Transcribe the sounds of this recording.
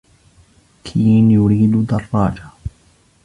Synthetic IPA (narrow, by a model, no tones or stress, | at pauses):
kʰiːnjʊɾiːd̪d̪ɑrˤːɑːd͡ʒa